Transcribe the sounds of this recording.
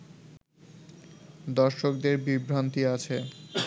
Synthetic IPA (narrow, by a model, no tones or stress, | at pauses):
d̪ɔɾʃok̚d̪eɾbibɾant̪iat͡ɕʰe